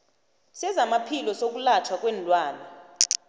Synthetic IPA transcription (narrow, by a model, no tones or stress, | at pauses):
sɛzamapʰilɔsok̬ʼulat͡ʃʰwak̬ʼwɛnlwaːlɔ